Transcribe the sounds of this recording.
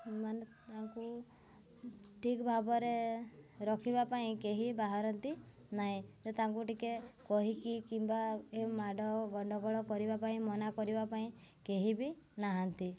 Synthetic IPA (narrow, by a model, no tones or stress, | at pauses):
emanet̪aŋku | ʈʰikbʱabɔɾeɾɔkʰibapaĩkeɦibaɦaɾɔnt̪i | naɦĩd͡ʒet̪aŋk̬uʈikekɔɦikikimbaemaɖɔɡɔɳɖɔɡɔɭɔkɔɾibapaĩmɔnakɔɾibapaĩkeɦibinaɦant̪i